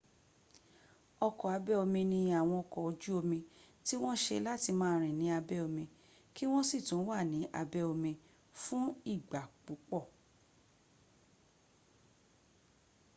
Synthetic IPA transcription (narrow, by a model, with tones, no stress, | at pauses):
ɔ˧kɔ˨a˧bɛ˦o˧mĩ˧nĩ˧a˨w̃ɔ̃˧ɔ˧kɔ˨o˧d͡ʒu˦o˧mĩ˧ti˦w̃ɔ̃˦ʃe˧la˦ti˧mãː˦ɾ̃ĩ˨nĩ˨˦a˧bɛ˦o˧mĩ˧ | ki˦w̃ɔ̃˦si˦˨tũ˨˦wa˦˨nĩ˨˦ʔa˧bɛ˦o˧mĩ˧ | fũ˦i˦˨ɡ͡ba˨k͡pu˨˦k͡pɔ˦˨